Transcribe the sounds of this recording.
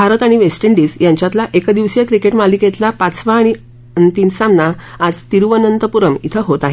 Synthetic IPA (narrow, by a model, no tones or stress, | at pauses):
bʱaɾət̪aɽ̃iʋesʈeɳɖiːsjaɲt͡ɕjat̪laʔekəd̪iʋsjakɾikeʈmaliket̪lapat͡sʋaːɽ̃i | t̪insamnaad͡zt̪iɾʋənənt̪əpuɾəmḭt̪ʰəɦot̪aɦe